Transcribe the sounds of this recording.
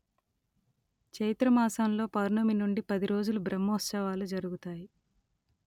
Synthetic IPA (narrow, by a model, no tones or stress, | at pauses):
t͡ʃɐjt̪ɾɐmaːsaːnlo̞ːpɐɾnɐminuɳɖipɐd̪iɾo̞ːd͡ʒulubɾɐmːɐɐst͡ʃɐʋaːlud͡ʒɐɾuɡut̪aːji